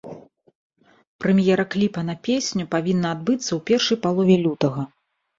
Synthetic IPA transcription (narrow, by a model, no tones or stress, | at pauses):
pɾɛmʲjɛɾɐklʲipɐnɐpʲesʲnʲupavʲinːɐːd̪̚bɨt̪sːɐwpʲɛrʂɐjpalˠɔvʲɛlʲut̪ɐɣɐ